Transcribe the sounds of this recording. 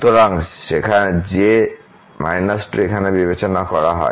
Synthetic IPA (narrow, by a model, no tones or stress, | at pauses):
t̪oɾaŋʃekʰad͡ʑe | ma̰jnasʈekʰanebibet͡ɕonakɔɾaɦɔ̰e